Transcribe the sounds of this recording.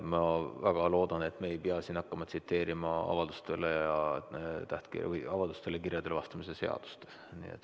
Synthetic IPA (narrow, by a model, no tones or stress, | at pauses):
mɑvæɡ̥ɑlo̞ːd̪̥ɑne̞t̪ːˑmeːjpeɑsiːnɑkːɑmɑt̪sit̪ːe̞ːɾimɑɑ̰vɑld̪̥ust̪e̞lejjɑt̪æht̪kḭɑvɑd̪ust̪elekirjɑd̪̥e̞lvɑst̪ɑmisese̞ɑ̰d̪̥u̥st̪e̥ | nḭḛt̪ːˑ